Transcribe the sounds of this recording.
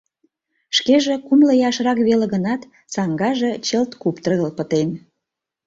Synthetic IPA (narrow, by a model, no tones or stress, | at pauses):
ʃkeʒekumləjɑʃrɑkβeleɣənɑt̪ | sɑŋɡɑʒet͡ɕəlt̪kupt̪rɣəlpə̆t̪en